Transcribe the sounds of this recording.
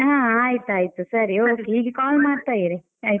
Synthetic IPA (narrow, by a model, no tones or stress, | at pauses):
ɦãːaːjt̪uaːjit̪usɐɾioːkːeɦiːɡekaːlmaːɖt̪aːjiɾi | aːj̪